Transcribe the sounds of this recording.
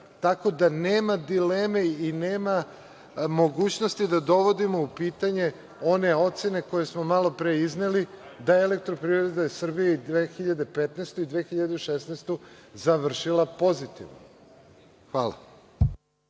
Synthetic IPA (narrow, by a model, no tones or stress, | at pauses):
t̪ako̞d̪aneːmad̪ileːme̞ineːma | mo̞ɡuːt͡ɕno̞st̪id̪ad̪o̞ʋo̞d̪imo̞upiːt̪aɲe̞ | o̞ne̞o̞t̪se̞ne̞ko̞je̞smo̞malo̞pɾeiznelid̪ajeele̞k̚t̪ɾo̞pɾivɾɾed̪asr̩bijeid̪ʋexiʎad̪e̞pet̪nest̪oid̪ʋexiʎad̪eʃesnest̪ozaʋr̩ʃilˠapo̞zit̪ḭʋno̰ | xʋaːla̰